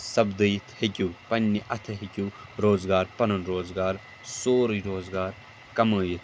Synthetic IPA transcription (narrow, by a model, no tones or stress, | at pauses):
sɐbd̪ɨjit̪ʰhikʲupɐnʲːiʔɐt̪ʰɐɦikʲuɾoːzɡaːɾpɐnɐnɾoːzɡaːɾ | soːɾɨɾoːzɡaːɾ | kɐməːjit̪ʰ